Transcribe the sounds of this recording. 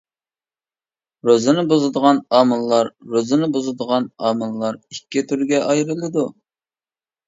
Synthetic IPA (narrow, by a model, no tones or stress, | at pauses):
ɾozɨnɨbozɨd̪əʁɑnɑːmɨlˠːɑɾːozɨnɨbozɨd̪əʁɑnɑːmɨlˠːɑɾikʲːit̪ʰyɾɡʲɛʔɑjɾɨlˠɨd̪u